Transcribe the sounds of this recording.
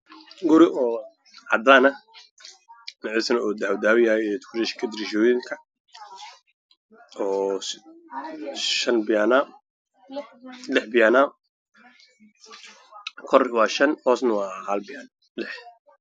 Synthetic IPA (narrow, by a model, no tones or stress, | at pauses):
ɡʊɾɪʔɔː | ʕɑ̰d̪aːnɐ | nɪʕɪsnɔːd̪awd̪aːwɪjaːjɛt̪kʰʊɾɛʃkʰɐd̪ɪɾiʃɔːjɪŋkʰɐ | ɔː | ʃɐnbana | lɪħbɪjaːnaː | kʰɔrwɑːʃɐnhɔːsnɐwɑːhɐlbɪan | lɪħ